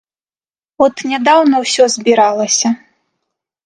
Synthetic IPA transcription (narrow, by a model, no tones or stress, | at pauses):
ɔt̪nʲɛd̪awnɐwsʲɔzʲbʲiɾalˠɐsʲɐ